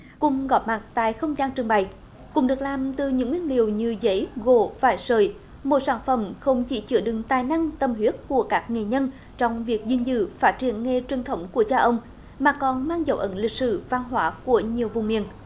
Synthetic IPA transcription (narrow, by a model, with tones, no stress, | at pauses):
kʊ̰˧˨ŋ͡mɣɔ˨˩p̚ma˨˩t̚t̪a̰ː˧˨jxə˧wŋ͡mzaː˧nt͡ɕɨ˨əŋɓa˨j | kʊ̰˧˥ŋ͡mɗɨ˨˩ək̚laː˨˩mt̪ɨ˨˩ɲɨ̰˧˥ŋːwi˧ənlḭ˨əwɲɨ˧zə˧˦jɣo˧˩vaː˧˩jsəː˨˩j | mo˨˩t̚saː˧˩nfə˧˩mxə˧wŋ͡mt͡ɕi˧˩˦t͡ɕɨ˧˩əɗɨ˨˩ŋt̪aː˨˩jna˧ŋt̪ə˧˩mɦwi˦˥ət̚ku˧˩əkaː˦˥k̚ŋe˨˩ɲə˧n | t͡ɕɔ˧wŋ͡mvi˨˩ək̚zi˧˩nzɨ̰˧˥faː˦˥t̚t͡ɕi˧˩ənŋe˧t͡ɕwi˨˩ənt̪ʰə˨˦wŋ͡mku˧˩ət͡ɕaː˧wʔə˧wŋ͡m | maː˨˩kɔ˨˩nmaː˧ŋzə̰˧˦wʔə̰˧˦nlï˨˩k̚sɨ̰˧˩va˧nɦwaː˧˦ku˧˩əɲi˨˩əwvʊ˨˩ŋ͡mmḭ˧˩ən